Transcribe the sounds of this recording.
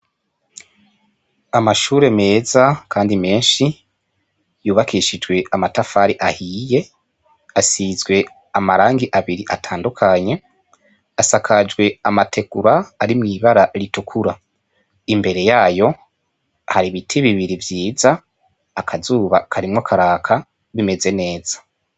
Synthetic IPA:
amaʃuːɾe̞me̞ːzakʰaːndime̞ːnʃi | juːβakʰiʃid͡ʒɡwe̞amatafaɾiʔahije̞ | asizɡwe̞ | amaɾaːŋɡiʔaβiɾiʔatʰaːndukʰaɲe̞ | asakʰad͡ʒɡwe̞amatʰe̞ɡuɾaːɾimŋiːβaɾaɾitukʰuɾa | imbe̞ɾe̞jaːjo̞ | haɾiβitʰiβiβiɾivjiːzaː | kʰazuːβakʰaɾimŋakʰaɾaːkʰa | βime̞ze̞ne̞ːz̥ḁ

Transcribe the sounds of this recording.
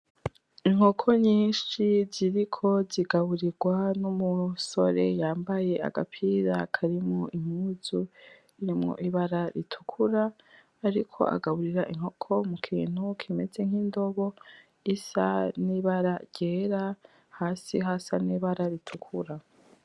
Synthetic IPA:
iŋ̥ho̞kʰo̞ɲiːʃiziɾikʰo̞ziɡaβuɾiɾɡwanumuso̞ɾe̞jaːmbaje̞a̰ɡa̰pʰiɾakʰaɾimŋoʔim̥uzu | iɾimŋo̞̰ʔiβaɾaɾitʰu̥kʰuɾaː | ɾikʰo̞̰ʔa̰ɡaβuɾiɾaʔiŋ̥o̞kʰo̞mukʰḭːn̥hukʰime̞ze̞ŋ̥hindo̞βo̞ | isa̰niβaɾaɾɟeːɾa | haːsiɦasaniːβaɾaɾitʰukʰuɾa

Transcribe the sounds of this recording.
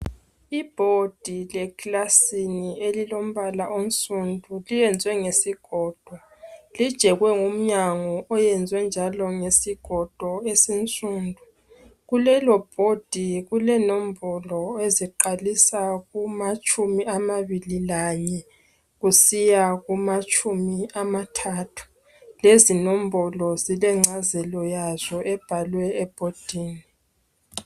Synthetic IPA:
ib̥ʱod̥ʱilɛklasinielilom̩βalaʔont͡sʼundʱulijɛnd͡zʱwɛŋesiɡ̥ʱɔːd̥ʱwalid̥ʒ̥ʱɛɣwɛŋum̩ɲaŋɔɔjɛnd͡zʱwɛnd͡ʒʱalɔŋesiɡ̥ʱɔd̥ʱwɔesint͡sʼuːndʱu | ɣulɛlɔb̥ʱod̥ʱiɣulɛnom̩bʱɔlɔeziǃalisaɣumat͡ʃʼumiamaβililaɲɛ | ɣusijaɣumat͡ʃʼumiamatʰaːtʰu̥ | lezinom̩bʱɔlɔzilɛŋ͡ǀazɛlɔjaz̥ɔʔɛb̥ʱalwɛɛb̥ʱod̥ʱiːni

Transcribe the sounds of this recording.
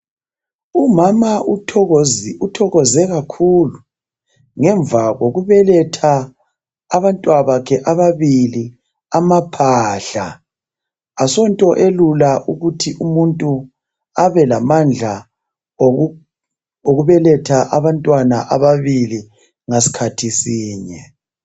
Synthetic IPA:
umama | utʰɔɣɔzɛɣakʰulu | ŋɛɱb̪vaɣoɣuβɛlɛtʰaː | βantʼwaβakʰɛʔaβaβili | amapʰaːɬa | asɔntʼɔʔelulaʔuɣutʰiʔumuntʼu | aβɛlamand͡ɮʱa | o | oɣuβɛlɛtʰaʔaβantʼwanaʔaβaβili | ŋasi̥kʰatʰisiːɲɛ

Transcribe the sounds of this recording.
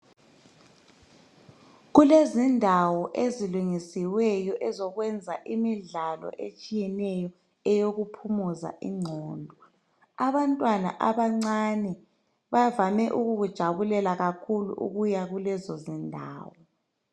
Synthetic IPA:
ɣulezindʱawɔʔeziluŋisiwɛjɔʔɛzɔɣwɛnd͡zʱa̰ʔimiɮalɔ̰ʔet͡ʃʼijɛnɛjɔ | ɛjoɣupʰumuza̰ʔḭŋ͡ǀʱɔːndʱɔ | aβantʼwana̰ʔaβaŋ͡ǀanɛ | βavamɛʔuɣuɣud̥ʒ̥ʱaβulɛlaɣakʰulṵʔṵɣujaɣulɛzɔzindʱa̰ːwɔ

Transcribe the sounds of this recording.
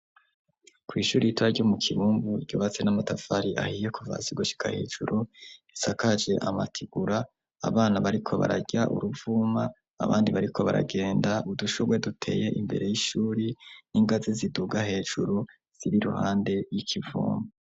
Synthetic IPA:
kwiːʃuːɾijitwaɾɟomukʰiβuːmbuɾɟoːβat͡se̞namatafaɾiʔa̰hiːje̞kuva̰ziɡoʃi̥ka̰he̞ːʒ̥ṵɾujisakad͡ʒe̞ʔa̰matʰiɡuɾa̰ː | βaːnaβaɾikʰo̞βa̰ɾaɟaʔṵɾuvumaː | βa̰ːndiβaɾikʰo̞βa̰ɾa̰ɡe̞ːndauduʃoɡwe̞dutʰe̞̰ːje̞ʔimbe̞ɾe̞jiʃuːɾiniŋɡaziziduɡahe̞ːʒuɾu | z̥iɾiɾṵha̰ːnde̞jikʰivṵːmbu

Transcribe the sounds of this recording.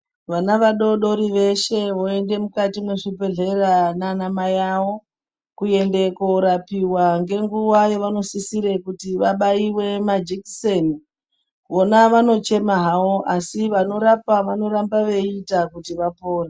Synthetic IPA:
ʋanaʋaɗo̞ɗo̞ɾiʋe̞ʃe̞ʋo̞e̞nde̞mukatimwe̞ʐipe̞ɮe̞rananamajawo̞ | kuje̞nde̞koɾapiwaŋɡe̞ŋɡuwajeʋano̞sisiɾe̞kutiʋaɓaiwe̞mad͡ʒikiseni | ʋo̞naʋano̞t͡ʃe̞maɦawo̞ʔasiʋano̞ɾapaʋano̞rambaʋe̞itakutiʋapoːra

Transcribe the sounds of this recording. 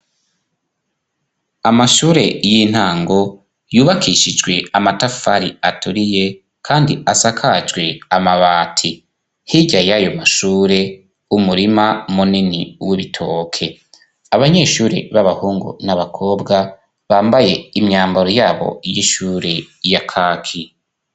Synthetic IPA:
amaʃuːɾe̞jin̥haːŋɡo̞ | juːβakʰiʃid͡ʒɡwe̞amatafaɾiatuɾije̞ | kʰaːndiasakʰad͡ʒɡwe̞amaβaːtʰi | hiɟajajo̞maʃuːɾe̞ | umuɾimamuninḭwiβitʰo̞ːkʰe̞ | aβaɲe̞ːʃuːɾḛβaβahuːŋɡṵnaβakʰo̞ːbɡa | βaːmbaje̞imɲaːmbaɾojaːβo̞̰jiʃuːɾe̞ | jakʰaːkʰi

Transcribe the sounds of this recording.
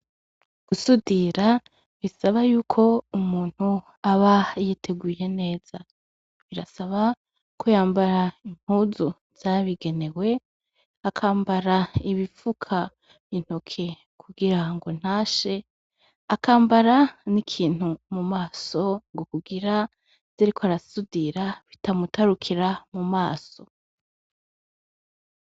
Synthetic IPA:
ɡ̥usudiɾa | βisaβajuːkʰo̞umuːn̥hu | aβajetʰe̞ɡuje̞ne̞ːz̥a | βiɾa̰saβa | kʰojaːmbaɾain̥huzu | z̥aβiɡe̞ne̞we̞ | akʰaːmbaɾaiβifukʰa | in̥hokʰe̞ | kʰuɡiɾaŋɡon̥haːʃe̞ | akaːmbaɾanikʰiːn̥humumaːso̞ŋɡokuɡiɾa | z̥iɾikoaɾasudiɾaβitamutaɾukʰiɾamumaːso̞

